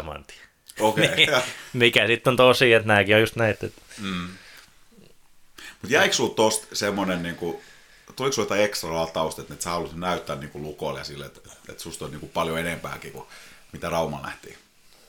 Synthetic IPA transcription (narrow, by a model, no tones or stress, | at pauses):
mɑ̰nt̪i̥ | okeimikæsit̪ːont̪osiːet̪næːkiojust̪næit̪ːet̪̩ː | mut̪jæiksult̪ost̪semːonenniːŋku | t̪oliksuljot̪ɑiekst̪rɑlɑt̪ɑust̪et̪net̪sæhɑlusnæyt̪ːæːnniːŋkulukoljɑ̰silːḛt̪ḛt̪sust̪olʲniːŋkupɑljoenempæ̰ːkiːkumit̪ærɑumɑ̰llæ̰ht̪ḭː